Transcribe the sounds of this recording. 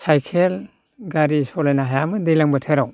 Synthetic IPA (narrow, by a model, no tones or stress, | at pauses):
sajkʰel | ɡaɾisɔlajnaɦajamɯdejlaŋbatʰɯɾaw